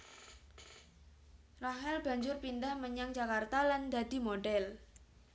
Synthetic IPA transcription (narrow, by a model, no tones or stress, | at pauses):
raɦɛlb̥a̤ɲd͡ʒʊrpindahməɲaŋd͡ʒakart̪aland̪a̤d̪̥i̤moɖɛl